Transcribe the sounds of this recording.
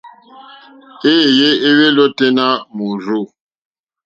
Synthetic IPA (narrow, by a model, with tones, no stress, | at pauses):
e˦˨je˦e˦we˦lo˦te˦na˦mu˨ɾu˦˨